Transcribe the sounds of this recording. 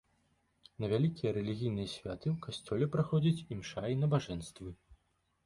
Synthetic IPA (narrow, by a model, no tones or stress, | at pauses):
nɐvʲalʲikʲijɐɾɛlʲiɣʲijnɨjɐsʲvʲat̪ɨwkasʲt͡sʲɔlʲɛpɾaxɔd͡zʲit͡sʲimʂainɐbaʐɛnst̪vɨ